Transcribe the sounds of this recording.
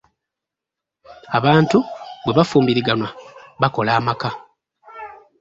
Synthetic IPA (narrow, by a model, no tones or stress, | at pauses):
aβaːntuβwe̞βafuːmbiɾiɡanwaβako̞laːmaka